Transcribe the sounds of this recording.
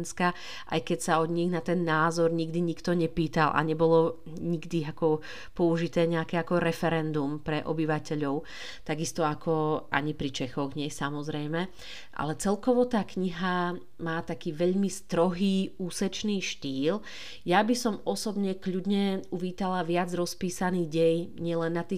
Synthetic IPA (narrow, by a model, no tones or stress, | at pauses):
nska | ʔa̰jkɛcsaɔd̪ɲiɣnat̪ɛnːaːzɔɾɲiɡd̪iɲikt̪ɔɲɛpiːt̪alʔa̰ɲɛbɔlɔ | ɲiɡd̪iakɔ | pɔuʒit̪ɛːɲɛakɛakɔɾɛfɛɾɛnd̪umpɾɛʔɔ̰biʋacɛʎɔʊ | t̪aɡist̪ɔakʰɔʔa̰ɲipɾit͡ʃɛxɔɣɲɪɛsamɔzɾɛjmɛ | ʔa̰lɛt͡sɛlkɔʋɔt̪aːkɲiɦa | maːt̪akiːʋɛʎmist̪ɾɔɦiːuːsɛt͡ʃniːʃt̪iːl | jabisɔmɔsɔbɲɛkʎudɲɛuʋiːt̪alaʋɪad͡zɾɔspiːsaniːɣɟɛjɲɪɛlɛnːat̪iː